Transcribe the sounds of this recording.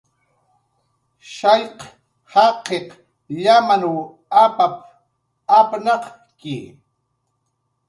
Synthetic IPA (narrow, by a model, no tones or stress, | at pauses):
ʃɑjq | hɑqeq | ʎamanu | apap | apnɑq | kɪ